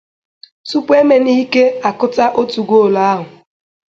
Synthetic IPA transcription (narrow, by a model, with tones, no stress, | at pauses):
tu˦pe˦me˨ni˦ke˦a˨kʊ˦ta˦ʔo˦tu˨ɡʷo˦˨la˦a˦ɦʊ˨